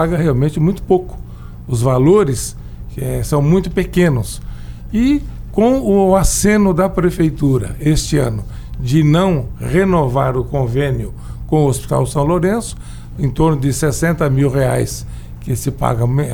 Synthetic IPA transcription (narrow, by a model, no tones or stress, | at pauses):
aɡɐheawmẽnt͡ʃɪmũj̃t̪ʊ̥pokʊ̥ | ʊzvaloɾɪs | ɛsɐ̃w̃mũj̃t̪ʊpekẽnʊs | ɪkõw̃ʊasẽnʊd̪ɐpɾefejt̪uɾɐ̰est͡ʃɪɐ̰̃nʊd͡ʒɪnɐ̃w̃ʁenova̰ɾʊkõvẽnjʊ | kõʊospi̥t̪a̰wsɐ̃w̃loɾẽsʊ̥ | ẽt̪oɾnʊd͡ʒ̪ɪsesẽnt̪ɐmiwhea̰js | kɪsɪpa̰ɡɐ